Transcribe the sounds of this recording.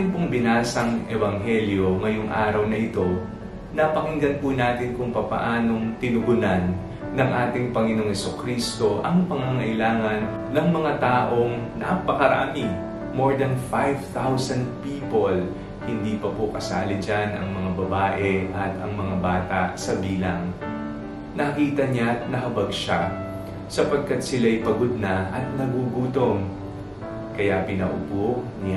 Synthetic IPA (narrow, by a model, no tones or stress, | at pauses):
ɪnpoŋbɪnaːsɐŋʔɛbɐŋɦɛljo̞ŋɐjoŋʔa̰ːɾɐwnɐʔɪt̪o̞ | nɐpɐkɪŋɡɐn̚pʊnaːt̪ɪnkʊŋpɐpɐ̰ʔaːno̞ŋt̪ɪnʊɡʊnanː | ɐŋʔaːt̪ɪŋpɐŋɪno̞ŋhɛsukɾist̪o̞ʔɐŋpɐŋaŋɐʔɪlaːŋɐnːɐŋmɐŋat̪aːʔo̞ŋnapɐkɐɾɐʔa̰ːmi | mo̞ɹd̪ɐnfajvt̪awsɐnd̪̚piːpol | hɪnd̪iːpɐpokɐsa̰ːlɪd͡ʒanʔɐ̰ŋmɐŋabɐbaːʔɛʔɐt̪ɐŋmɐŋabaːt̪aʔsɐbiːlɐŋ | nɐkɐkiːt̪ɐɲanɐhɐbɐɡʃa | sɐpɐɡ̚kad̪sɪlajpɐɡod̪̚naʔɐt̪̚nɐɡuɡuːt̪o̞ŋ | kɐjapɪnɐ̰ʔʊ̰bon